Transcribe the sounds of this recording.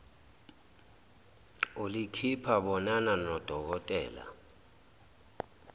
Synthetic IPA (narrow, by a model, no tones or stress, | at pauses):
olikʰipʰaɓɔnananɔd̥ʱɔk̬ɔtʼɛ̰ːla̰